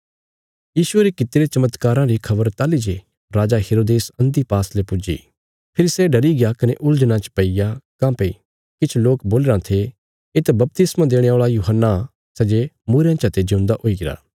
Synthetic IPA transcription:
jiːsʊeːɾekɪt̪ːɾet͡ʃɐmət̪kaːɾãɾikʰɐbəɾt̪aːlid͡ʒe | ɾaːd͡ʒaɦeːɾoːd̪eːsɐ̃nd̪ipaːslepʊd͡ʒḭː | pʰɪɾisɛɖɐɾiɡɪjakɐneʔʊld͡ʒəñãt͡ʃpɐijakãːpei | kɪt͡ʃʰloːkboːleɾãt̪ʰe | ɪt̪bɐp̚t̪ɪsmãd̪eːɽ̃ẽoːɭajuːɦənːa | sɛd͡ʒemuːɾejãt͡ʃɦɐt̪ed͡ʒõʊ̃nd̪aʔoiɡɪɾa̰ː

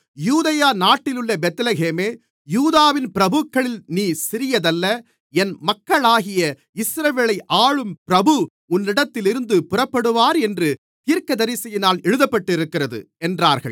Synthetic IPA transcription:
juːðɐjaːnaːʈːɪlɯɭːɐbɛt̪ɐlɐɣeːmeː | juːðaːʋɪnpɪɾɐbɯkːɐɭɪlniːsɪɾɪjɐðɐlːɐ | ɛnmɐkːɐɭaːɣɪjɐ | ɪsɾɐʋeːɭɐɪʔaːɭɯmpɪɾɐbɯ | ʊnːɪɽɐt̪ːɪlɪɾɯnd̪ɯpʊrɐpːɐɽɯʋaːɾɛndrɯ | t̪iːɾkɐðɐɾɪsɐjɪnaːlɛɻɯðɐpːɐʈːɪɾɯkːɪrɐðɯ̰ | ɛndraːɾɣɐɭ

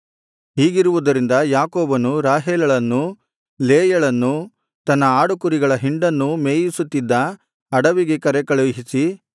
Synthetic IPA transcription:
ɦiːɡiɾuʋud̪ɐɾind̪ɐjaːkoːbɐnuɾaːɦeːlɐɭɐnːu | leːjɐɭɐnːu | t̪ɐnːɐaːɽukuɾiɡɐɭɐɦiɳɖɐnːumeːjisut̪ːid̪ːɐ | ɐɽɐʋiɡekɐɾɛkɐɭɐɦisi

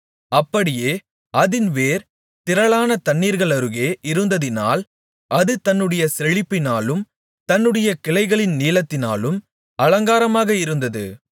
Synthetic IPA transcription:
ɐpːɐɽɪjeː | ɐðɪnʋeːɾ | t̪ɪɾɐɭaːnɐt̪ɐɳːiːɾɣɐɭɐɾɯɣeːʔɪɾɯnd̪ɐðɪna̰ːl | ʔɐðɯt̪ɐnːɯɽɐjɐsɛɻɪpːɪnaːlɯm | t̪ɐnːɯɽɐjɐkɪlɐɪɣɐɭɪnniːlɐt̪ːɪnaːlɯm | ɐlɐŋɡaːɾɐmaːɣɐɪɾɯnd̪ɐðɯ̰

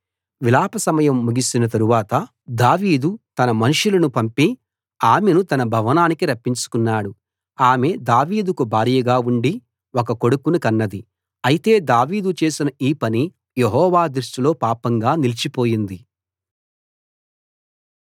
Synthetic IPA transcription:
ʋilaːpɐsɐmɐjɐmːuɡisinɐt̪ɐɾuʋaːt̪ɐ | d̪aːʋiːd̪ut̪ɐnɐmɐnuʂulɐnupɐmpi | aːmenut̪ɐnɐbʱɐʋɐnaːnikiɾɐpːiɲt͡ʃu̥kunːaːɽu | aːme̞d̪aːʋiːd̪ukubʱaːɾiːjɐɡaːuɳɖi | wokɐko̞ɽukunikɐnːɐd̪i | ɐjit̪e̞ːd̪aːʋiːd̪ut͡ʃe̞ːsinɐiːpɐni | jeɦɔːʋaːd̪ɾuʂʈilo̞ːpaːpɐŋɡaːnilit͡ʃipo̞ːjind̪i

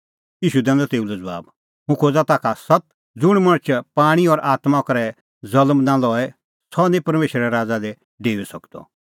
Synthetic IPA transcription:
iːʃud̪ɛ̃ːnd̪ɔt̪eːulɛd͡zʋa̰ːb | ɦũkʰoːd͡zat̪aːkʰasɐt̪̚ | d͡zʊɽ̃mɐ̃ɽ̃ət͡ʃʰpaːɽ̃iɔɾʔaːt̪makɐɾɛ | d͡zɐlmnãlɔːɛ | sɔnɛ̃pɐɾmeːʃɾɛɾaːd͡zalɛ | ɖeːʋɛsɐkd̪̥ɔ̰

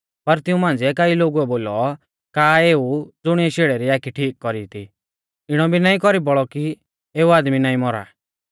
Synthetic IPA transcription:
pɐɾt̪ɪũmãːnd͡ziɛkaːiloːɡuɛboːlɔ | kaːeːud͡zʊɽ̃iɛʃeːɽɛɾiaːkʰiʈʰiːkːɔɾit̪ʰi | ɪɽ̃ɔbʱinaːĩkɔɾibɔɭɔki | eːuaːd̪minaːĩmɔɾa̰ː

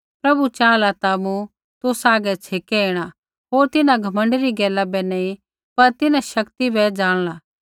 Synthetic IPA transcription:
pɾɐbut͡ʃaːlat̪amũ | t̪ʊsaːɡɛt͡ʃʰeːkɛeːɽ̃a | ɦoːɾt̪ɪnãɡʱɐmə̃ɳɖɾiɡɛːlabɛnɐ̃ĩ | pɐɾt̪ɪnãʃɐkt̪ibɛd͡ʒaːɽ̃laː

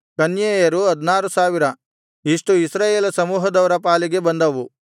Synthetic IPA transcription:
kɐnjeːjɐɾuɦɐd̪naːɾusaːʋiɾɐ | iʂʈuisɾaːjeːlɐsɐmuːɦɐd̪ɐʋɐɾɐpaːliɡe̞bɐnd̪ɐʋu

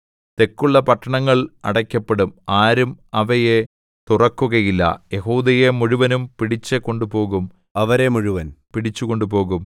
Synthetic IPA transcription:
t̪e̞kːuɭːɐpɐʈːɐɳɐŋːɐɭɐ̰ɽɐkʲːɐpːeɽumaːɾumɐʋɐje | t̪urɐkːuɣɐjilːɐ̰je̞huːd̪ɐjemuɻuʋɐnumpiɽit͡ɕːɐkːo̞ɳɖupo̞ːɣum | ɐʋɐɾemuɻuʋɐnpiɽit͡ɕːukoɳɖupo̞ːɣum

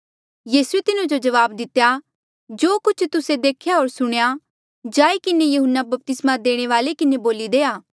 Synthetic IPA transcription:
jiːsuet̪ɪnũd͡ʒod͡ʒɐʋaːb̚d̪ɪt̪ːja | d͡ʒoːkʊt͡ʃʰt̪ʊsed̪eːkʰjaɦoːɾsʊɽ̃eja | d͡ʒaːikɪnejɐɦʊnːabɐp̚t̪ɪsmad̪eːɽ̃eʋaːlekɪneboːlid̪eːaː

